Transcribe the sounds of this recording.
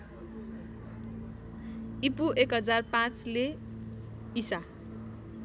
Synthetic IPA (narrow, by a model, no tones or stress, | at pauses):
ipuʔekɦʌd͡zarpãt͡sle | isa